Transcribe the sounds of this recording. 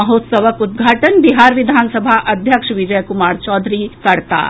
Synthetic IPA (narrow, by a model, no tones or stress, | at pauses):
ɐɦoːt̪sɐʋəkʊd̪̚ɡʱaːʈənbiɦaːɾʋɪd̪ʱaːnsəbʱaʔɐd̪ʱjəkʃʋɪd͡ʒəjəkʊmaːɾt͡ʃɔːd̪ʱɾikɐɾt̪a̰ː